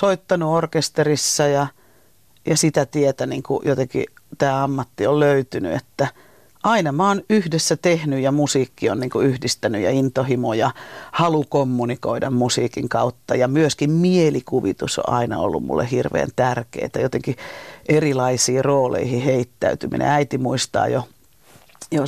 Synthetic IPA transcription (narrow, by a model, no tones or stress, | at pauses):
soit̪ːɑnuorkest̪erisːɑjɑ | jɑsit̪æt̪iet̪æniːŋkṵjot̪eŋkḭt̪æːɑmːɑt̪ːiolløyt̪yny̰ḛt̪ːæ | ʔɑinɑmæoːnyhdesːæt̪ehnyjjɑmusiːkːionniːŋkuyhdist̪ænyjɑ̰int̪ohimojɑhɑlukomːunikoidɑmmusiːkiŋkɑut̪ːɑjɑmyøskimmielikuʋit̪uso̰ʔʔɑinɑ̰o̰lːṵmmṵlːḛhirʋḛːnt̪ærkḛit̪æjot̪eŋkiʔerilɑisiːroːlḛihiheit̪ːæyt̪ymḭnʔḛ̃æit̪imuist̪ɑ̰ːjo | jo